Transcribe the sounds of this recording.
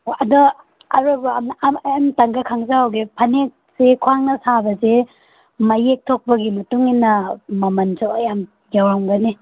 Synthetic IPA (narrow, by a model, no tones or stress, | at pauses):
ɐdu | ɐɾubɐmjamtaŋɡakʰaŋzaɦawɡepʰɐnek̚sekʰuaŋnɐsabɐze | mɐjek̚tʰok̚pɐɡimɐtuŋinːɐmɐmɐnzoɐjam | jawɾamɡɐni